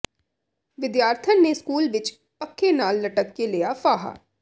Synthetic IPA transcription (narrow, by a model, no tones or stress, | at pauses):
ʋɪd̪jaːɾt̪ʰənːeskuːlʋɪt͡ʃ | pəkʰːenaːlːəʈəkːelɪjaːfʰaːɦa̰ː